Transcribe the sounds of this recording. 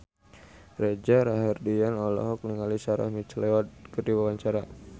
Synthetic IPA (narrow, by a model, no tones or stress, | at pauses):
red͡ʒaɾaɦardianɔlɔ̰ɦɔk̚niŋalisaɾa̰hmit͡ʃlewat̪̚kərdiwawaɲt͡ʃaɾa